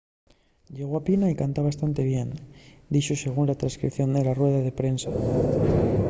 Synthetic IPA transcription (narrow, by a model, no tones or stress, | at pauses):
ʎe̞ɣ̞oapinaikant̪aβ̞ast̪ant̪e̞βjend̪iʃose̞ɣ̞unlat̪ɾãnskɾḭpθjo̞nd̪elarweðaðe̞pɾe̞nsa